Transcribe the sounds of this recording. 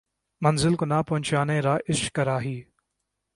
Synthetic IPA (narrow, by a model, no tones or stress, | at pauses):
mɐnzɪlkonaːpɐɦʊ̃ɲt͡ʃaːneɾaːʔɪʃkɐɾaːɦiː